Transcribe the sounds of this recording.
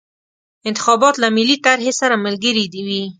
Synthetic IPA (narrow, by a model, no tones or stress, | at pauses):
ɪnt̪ɪxɑbɑt̪lamɪlit̪aɾɦesaɾamalɡəɾid̪iwi